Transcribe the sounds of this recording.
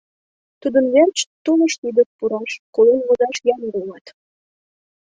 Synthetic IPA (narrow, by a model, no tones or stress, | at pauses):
t̪ud̪ənβert͡ɕt̪uləʃt̪id̪əʃpuɾɑʃkolenβozɑʃjɑmɡulɑt̪